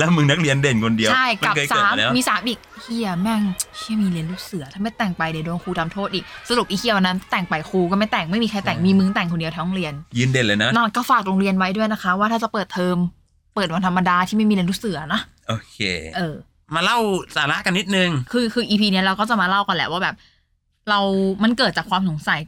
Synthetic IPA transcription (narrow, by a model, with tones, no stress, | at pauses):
lɛː˦˥wmɯ˧ŋna˦˥k̚ɾi˧ənde˨˩nkʰo˧ndi˧ɐwt͡ɕʰa˥˩jkma˨˩kʰɤː˧ksaː˨˦mlɛː˦mːiː˧saː˨˦mʔi˨˩k̚hʰi˧˩ɐ˩mɛ˥˩ŋkʰi˦˥˩miː˧li˧ənluː˦˥˩sɯ˨˩˦t̪ʰaː˥˩ma˥˩jt̪ɛː˨˩ŋpa˧jda˨˩˦doː˧ŋkʰuː˧t̪ʰa˧mt̪ʰoː˥˩t̪ʔiː˨˩k̚sa˧ɾu˨˩p̚ʔiː˧kʰi˧˩əwa˧nːa˦˥˩t̪ɛː˨˩ŋpa˧jkʰuː˧kɔː˥˩ma˥˩jt̪ɛː˨˩ŋma˥˩jmiː˧kʰa˧jt̪ɛː˨˩ŋmiː˧mɯ˧ŋt̪ɛː˨˩ŋkʰo˧ndi˧ət̪ʰaː˧˥nɔ˧ŋɾi˧ənjɯː˧nde˧nlɤː˧na˦na˧˩˨kɔː˥˩faː˨˩k̚ɾoː˧ŋɾi˧ənwa˦˥jdu˥˩əjna˦˥kʰa˦˥waː˥˩aː˥˩t͡ɕa˨˩pɤː˨˩t̪ʰːɤː˧m | pɤː˨˩wa˧nt̪ʰmːa˧daː˧t̪ʰiː˥˩ma˥˩jmːi˧li˧ənluː˦˥˩sɯ˩˦ɐ˦nɔ˦˥ʔoː˧kʰḛː˧ʔɤː˧ | maː˧la˥˩wsaː˨˩˦la˦˥ʔka˧nːi˦˥t̪̚nɯ˧ŋkʰɯː˧kʰɯː˧ʔiː˧pʰiː˧ni˦˥ɐɾa˧wkɔː˥˩t͡ɕa˨˩maː˧la˥˩wka˧nlɛ̰˨˧˩waː˥˩bɛː˨˩p̚ | ɾa˧wma˧nkɤː˨˩t̪̚t͡ɕaː˨˩kʰwaː˧ms̬o˨˩˦ŋsa˨˩˦j